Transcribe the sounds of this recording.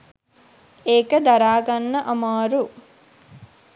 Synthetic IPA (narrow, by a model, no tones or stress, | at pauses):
eːkɐd̪ɐɾaːɡɐnːɐʔɐmaːɾu